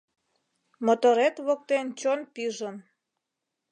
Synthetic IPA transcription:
mot̪oɾet̪βok̚t̪ent͡ɕonpiʒən

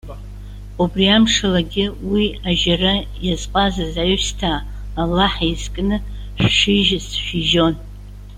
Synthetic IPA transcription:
ubriamʂalaɡʲɪwiaʒarajazqʼazazajstʰaː | laħizkʼnɨ | ʃᶣʂiʒasʃiʒo̞n

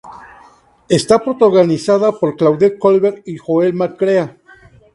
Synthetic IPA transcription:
est̪apɾot̪aɣonisaðapoɾklawðekolβeɾixoelmakɾea

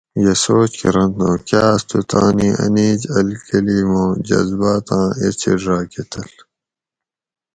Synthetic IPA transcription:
jesoːt͡ɕkiɾɐnt̪õːkaːst̪ut̪a̰ːniʔɐ̰niːd͡ʑɐlkɐliːmõːd͡ʑɐ̰zbaːt̪ãːet͡ɕʰḭɖɾaːket̪ɐl

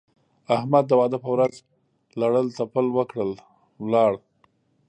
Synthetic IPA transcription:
ahmad̪̚ːəwɑd̪əpəwɾaz | laɽəlt̪apəlwəkɽəl | wlɑɽ

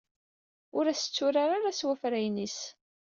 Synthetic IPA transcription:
ʊɾæsə̥t͡sːʊɾaɾaɾaswæfɾæjnis

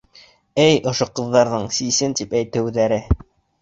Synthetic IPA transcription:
ɘjŏʃoqɤ̆ðːɑɾðɤɴsisɘnt̪ipæjt̪ɘ̆wðæɾɘ

